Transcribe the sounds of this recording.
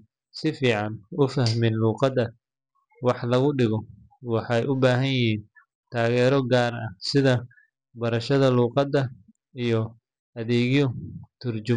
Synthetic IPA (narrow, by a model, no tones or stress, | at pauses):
sɪfiːʕɑnʊfɐhmɪnluːqɑd̪ɐ | wɑħlɐɣʊɖɪɣɔ | wɑħɑjʔʊbaːɦɐnjɪɦiːn | t̪ʰaːɣɛːɾɔɡaːɾɐ̰hsɪðɐ | bɐɾɐʃɐðɐluːqɑd̪ːɐ | ijɔ | ɐðɛːɣjɔt̪ʰʊrt͡ʃʊ